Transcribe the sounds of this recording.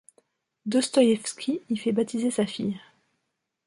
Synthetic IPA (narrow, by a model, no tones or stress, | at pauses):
d̪ɔst̪ɔjɛfskʲʰiifɛbat̪izesafḭj